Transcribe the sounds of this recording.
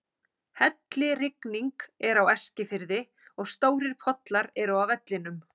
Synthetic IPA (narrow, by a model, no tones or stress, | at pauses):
hɛt̪lɪrɪkniŋkɛɾawɛscɪfɪɾðɪ | ɔɣst̪oːwɾɪɾ̥pʰɔt̪laɾɛɾʏawvɛt̪lɪnʏm